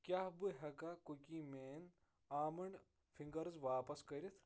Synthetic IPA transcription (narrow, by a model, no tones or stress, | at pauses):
kʲjaːbɨɦɐɡakokiːmeːn | aːmɐɳɖ | fʰiŋɡɐɾzʋaːpɐskɐɾʲit̪ʰ